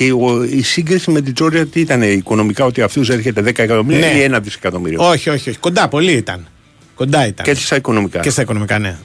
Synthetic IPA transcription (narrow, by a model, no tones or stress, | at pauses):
ceoisiɡɾisimet̪̬id͡zo̞ɾd͡ʒɐot̪iit̪ɐne̞iko̞no̞mikɐo̞t̪iɐft̪us̬eɾçe̞t̪e̞ðekɐekɐt̪o̞miɾneienɐðisekɐt̪o̞miɾioo̞çio̞çio̞çi̥ko̞nd̪ɐpo̞liit̪ɐ̰n | ko̞nd̪ɐit̪ɐ̰ne̥st̪ɐiko̞no̞mikɐ̰cest̪ɐiko̞no̞mikɐnḛ